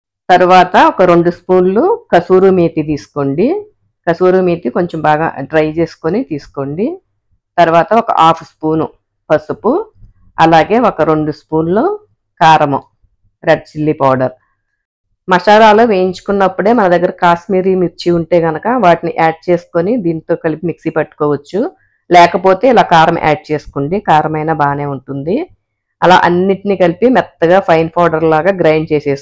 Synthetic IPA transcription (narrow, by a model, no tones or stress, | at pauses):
t̪ɐɾuʋaːt̪ɐɔkɐɾo̞ɳɖuspuːnloːkɐsuːɾumiːʈ̪it̪̬iːsu̥ko̞ːɳɖi | kɐsuːɾumiːʈ̪iko̞ɲt͡ʃembaːɡa̰ːɖɾɐjʋt͡ʃe̞ːsu̥konit̪iːsu̥ko̞ːɳɖi | t̪ɐɾuʋaːt̪ɐɔkɐ̰ʔaːpʰspuːnu | pɐsupu | ɐlaːɡe̞ːɔkɐɾo̞ɳɖuspuːnloː | kaːɾɐmɐ | ɾeɖ̚t͡ʃilːipaːɖɐɾ | mɐʂaːɾaːloːʋejiɲt͡ʃu̥kunːɐpːuɽe̞ːmɐnɐd̪ɐɡːɐɾɐkaːʃmiːɾiːmiɾt͡ʃiuɳʈe̞ːɡɐnɐkɐʋaːʈiniʔaːɖ̚t͡ʃe̞ːsu̥konid̪iːnt̪o̞ːkɐlipimiksipɐʈːu̥kɔːʋɐt͡ʃːu | lɛːkɐpo̞ːt̪e̞ːilaːkaːɾɐmɐ̰ʔa̰ːɖ̚t͡ʃe̞ːsu̥kuɳɖikaːɾɐmɐjnɐbaːne̞ːuɳʈund̪i | ɐla̰ːʔɐnːiʈinikɐlipimɛt̪ːɐɡaːpʰɐjnpʰaːɖɐɾlaːɡaːɡɾɐjɳɖt͡ʃeːseːs